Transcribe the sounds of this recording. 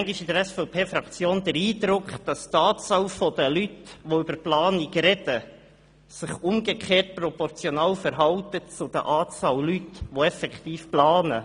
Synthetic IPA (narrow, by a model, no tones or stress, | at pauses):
ɛŋɡɪʃidəɾæsfɛʊpʰeːfɾɑkt͡sjoːnd̥̪əɾiːd̪ɾʊkχd̥ɑst̪ɑːt͡sɑlfɔd̪əlytʋoybəɾplɑːniɡɾɛd̥ə | sɪχʊmɡekʰeːt̚pɾɔpɔrt͡sjɔnɑːlfəɾɦɑltət͡sʊd̥̪ə̰ʔɑːt͡sɑːllytʋoɛfɛkχt̪iːfplɑːnə